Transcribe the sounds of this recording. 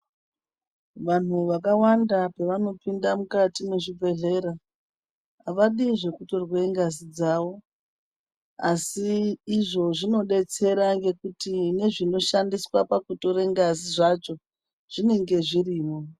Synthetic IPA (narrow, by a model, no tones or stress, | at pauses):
ʋan̤uʋakawandapeʋano̞pindamukatime̞ʐibʱe̞ɮe̞ɾaː | ʋaɗiʐe̞kuto̞rweŋɡazid͡zaʋo̞ | asiːʐo̞ʐino̞ɗe̞t͡se̞ɾaŋɡe̞kutine̞ʐino̞ʃandiswapakuto̞ɾe̞ŋɡaziʐat͡ʃo̞ | ʐ̥ine̞ŋɡe̞ʐiriːmo